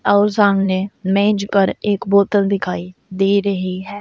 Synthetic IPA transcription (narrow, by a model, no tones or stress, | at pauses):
aʊsãːŋɡneːmɛ̃ːɲd͡ʒkəɾɪkboːt̪ənd̪ɪkʰaːiːd̪eːɾəɦiːɦɛː